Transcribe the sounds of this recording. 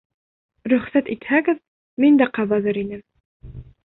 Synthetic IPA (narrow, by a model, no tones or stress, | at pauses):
ɾɵ̆χsæt̪it̪hæɡɘð | mind̪æqɑβɑðɤɾinɘm